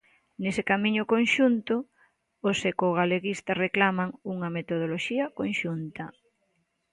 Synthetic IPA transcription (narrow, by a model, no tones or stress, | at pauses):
nesekamiɲʊkonʃunt̪ʊ | osekoɣaleɣist̪ɐreklamaŋuŋɐmet̪oð̞oloʃiɐkonʃunt̪ɐ